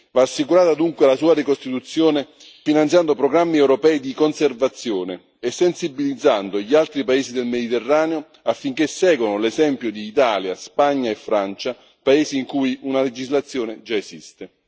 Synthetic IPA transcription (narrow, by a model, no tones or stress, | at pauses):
vaːsːikuɾaːt̪ad̪uŋkwealasuːaɾikost̪it̪ut̪sːjoːne | finant̪jand̪opɾoɡɾamːiɛwɾopɛːid̪ikonservat̪sːjoːne | esːensibilid̪zːand̪oʎialt̪ɾipaeːzid̪elmed̪it̪erːaːneo | afːiŋk̟esːɛːɡwonolezɛmpjod̪iːt̪aːljaspaɲːaefːɾant͡ʃa | paeːziːŋkujunaled͡ʒizlat̪sːjoːned͡ʒaezist̪e